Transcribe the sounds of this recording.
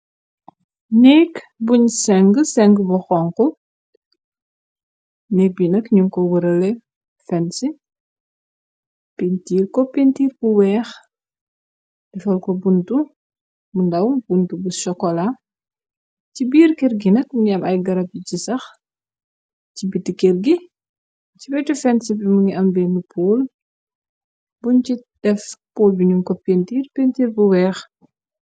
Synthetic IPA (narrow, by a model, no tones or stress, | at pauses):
nɛk | buɲsɛŋɡəsɛŋɡbɔxɔŋkɔ | nɛk̚binɐkɲuŋkɔwəɾɐlɛ | fɛnsi | pintiːrkɔpintiːɾkuwɛːx | dɛfɐlkɔbuntu | mundɐwb̥untubusʃɔkːɔla | cibiːrkerɡinɐk̚muɲiɐmɐjɡɐɾɐp̚icisɐx | cibitːikerɡi | cibɛjtufɛnsipimuŋiʔɐmbɛnupʰoːl | buncid̥ɛfpoːlbiɲuŋkɔpːentiːrpentiːrbuwɛːx